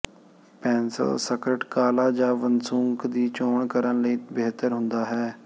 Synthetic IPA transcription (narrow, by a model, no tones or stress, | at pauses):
pɛ̃ːnsə̰lsəkɾəʈkaːlaːd͡ʒãːʋənsʊŋkd̪iːt͡ʃoːɳkəɾənləiːbeːt̪əɾɦʊnd̪aːɦɛː